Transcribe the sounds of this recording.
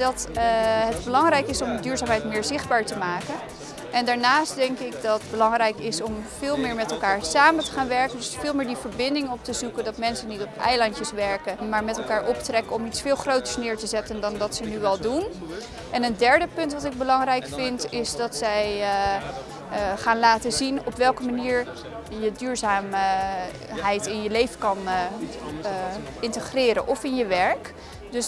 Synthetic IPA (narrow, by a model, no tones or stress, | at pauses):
dɑtɦədbəlɑŋɾɛjkɪsɔmdyːɹzaːmɦɛjtmɪːɹzɪχd̚baːɹtəmaːkən | ʔɛndaːɹnaːstdɛŋkɪkdɑdbəlɑŋrɛjkɪsɔmvɪːlˠmɪːɹmɛtɛlˠkaːɹsaːməntə̥χaːnʋɛɹkəndɵsfɪːlˠmɪːɹdivəɹbɪndɪŋɔp̚təzukəndɑtmɛnsənitɔpɛ̰jlɑntəsʋɛɹkəmaːɹmɛtɛlˠkaːɹʔɔptərɛkəɔmitsfɪːlˠχrowtə̥ɹsnɪːɹtəzɛtəndɑnʋɑtsənyɛlˠdun | ʔɛnəndɛɹdəpɵntʋɑtɪɡ̚bəlɑŋrɛjkfɪntɪsdɑtsɛj | χaːnlaːtəzinɔpʋɛlˠkəmaniːɹ | jədyːɹzaːm | ɦɛjtɪnjəlejvəkɑn | ɪntəχrɪːɾənʔɔfɪnjəʋɛɹk | dɵs